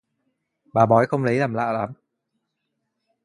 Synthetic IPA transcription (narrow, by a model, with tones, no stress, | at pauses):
ɓaː˨˩ɓɔ˨˦jxə˧wŋ͡mlə˨˦jlaː˨˩mla̰ː˧˨laː˨˦m